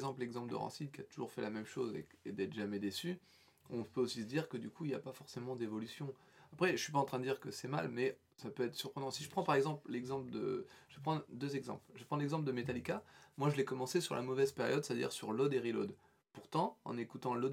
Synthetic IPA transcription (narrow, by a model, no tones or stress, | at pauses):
zɑ̃plɛɡzɑ̃pləd̪ə̰ʁɑ̰̃sinkʲiat̪uʒṵʁfɛlamɛmʃo̰zḛed̪ɛt̪χʒ̥amɛd̪esy | ɔ̃pøosisəd̪iʁkəd̪ykʰuilja̰pafɔʁsemɑ̃d̪evɔlysjɔ̃ | apχɛʒəsɥipaɑ̃t̪χɛ̃d̪d̪iʁkəsɛma̰lmɛ | sapøɛt̪χəsyʁpχənɑ̃siʒəpχɑ̃paʁɛɡzɑ̃pllɛɡzɑ̃pld̪ə̰ʒ̥ə̥vepχɑ̃d̪øzɛɡzɑ̰̃plʒəpχɑ̃lɛɡzɑ̃pld̪əmet̪alikamwaʒəlɛkɔmɑ̃sesyʁlʔa̰mɔvɛzpeʁjɔd̪st̪ad̪ḭʁsyʁlɔd̪eʁilo̰d̪ | puʁt̪ɑ̃ɑ̰̃nekut̪ɑ̃lɔd̪